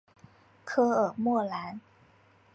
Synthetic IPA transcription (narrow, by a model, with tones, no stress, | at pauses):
kʰɤ˧ʔɤː˨˩mu˥˩əla˨˥n